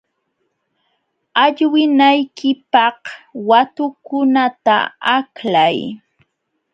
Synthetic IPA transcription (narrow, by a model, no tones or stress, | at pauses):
aʎwɪnajkɪpɑhwat̪ʊkʊnat̪a̰aklaj